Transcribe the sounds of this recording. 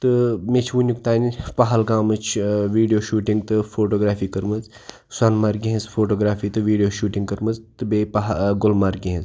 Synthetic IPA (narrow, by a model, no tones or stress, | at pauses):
t̪ɨmet͡ʃʰʋunʲjukt̪aːnipaɦɐlɡaːmɐt͡ʃʰʋiːɖijoːʃuːʈiŋɡt̪ɨfʰoːʈoːɡɾaːfiːkɐɾmɐz | swaːnmaɾɡiɦẽzfʰoːʈoːɡɾaːfiːt̪ɨʋiːɖijoːʃuːʈiŋɡkɐɾmɐzt̪ɨbepaɦɡʊlmaːɾɡʲiɦẽz